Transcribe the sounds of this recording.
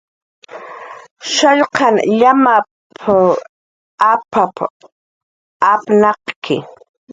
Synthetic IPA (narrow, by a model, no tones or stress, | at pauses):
ʃaʎqɑnʎama | pʰ | apap | apnɑqkʰɪ̰